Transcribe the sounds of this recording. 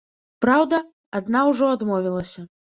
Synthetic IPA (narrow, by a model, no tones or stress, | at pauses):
pɾawd̪ɐ | ad̪nawʐɔad̪mɔvʲilˠɐsʲɐ